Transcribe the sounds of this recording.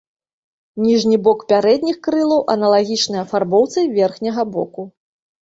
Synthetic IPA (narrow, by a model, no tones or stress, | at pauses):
nʲiʐnʲibɔkpʲaɾɛd̪ʲnʲixkɾɨlˠɐwʔɐnɐlˠaɣʲit͡ʂnɨjɐfarbɔwt̪sɨvʲɛrxnʲɐɣɐbɔku